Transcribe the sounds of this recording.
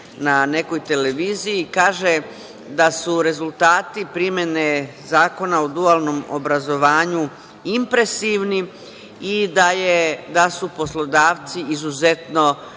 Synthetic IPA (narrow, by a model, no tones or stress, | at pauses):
nane̞ko̞jt̪e̞le̞ʋiːzijikaːʒe | d̪asuɾe̞zulˠt̪aːt̪ipɾimje̞ne̞ | zaːko̞naod̪ualˠno̞mo̰bɾazo̞ʋaːɲu | impɾe̞siʋni | id̪ajed̪asuposlo̞d̪aːʋt̪siizuze̞t̪no̞